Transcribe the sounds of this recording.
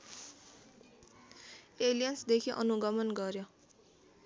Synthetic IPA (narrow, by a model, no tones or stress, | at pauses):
elijʌnsd̪ekʰiʔʌ̰nuɡʌmʌnɡʌɾjo